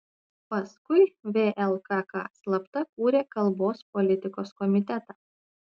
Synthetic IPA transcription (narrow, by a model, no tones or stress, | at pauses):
pɐskʊɪʋʲeːʔɛlˠkɑkɑ̰ːslˠɐpt̪ɐkuːɾʲeːkɐlˠˑboːspɔlʲɪt̪ʲɪkoːskɔmʲɪt̪ʲɛt̪ɑː